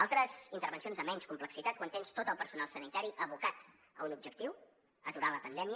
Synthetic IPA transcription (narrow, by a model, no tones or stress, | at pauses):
alˠt̪ɾəzint̪əɾβənsionzəmɛɲskumpləksit̪at̪̚kwant̪enst̪ot̪əlˠpəɾsunalˠsənit̪aɾiʔəβukat̪ | əunub̚d͡ʒək̚t̪iw | ət̪uɾaləpənd̪ɛmi